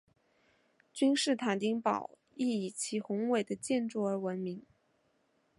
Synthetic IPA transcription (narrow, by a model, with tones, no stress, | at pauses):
t͡ɕy˥nʂɻ̩˥˩t̪ʰa˨˩nt̪i˥ŋpɑ̰˨˩˦ʊ | i˥˩i˨˩t͡ɕʰi˧˥xʊ˧˥ŋwe˨˩ɪd̪ə˩˦t͡ɕjɛ˥˧nʈ͡ʂu˥˩ə˞˧˥wə˧˥nmi˧˥ŋ